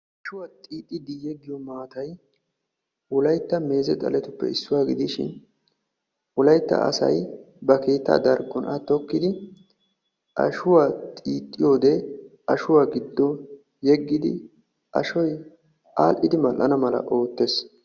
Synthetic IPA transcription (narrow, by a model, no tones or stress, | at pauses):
ʔʔɐʃʊwat̪ʼiːt̪ʼːɪd̪ɪjɛɡːɪjɔmaːt̪ɐj | wʊlɐjt̪ːɐme̞ːzɛt̪ʼɐ̰lɛt̪ʊpːɛ̰ɪsːʊwaːɡɪd̪ɪʃɪ̰n | wɔlɐjt̪ːɐ̰ɐ̰sɐ̰j | bɐkeːt̪ːa̰ːd̪ɐɾɡːɔnʔɐt̪ːɔkːɪd̪ɪ | ʔɐ̰ʃʊwat̪ʼiːt̪ʼːɪjo̞ːd̪ɛʔɐʃʊwaːɡɪd̪ːɔ | jɛɡːɪd̪ɪ̰ | ʔɐ̰ʃɔj | ʔa̰ːlʔɪd̪ɪmɐlʔɐnɐmɐlɐ̰ʔo̞ːt̪ːes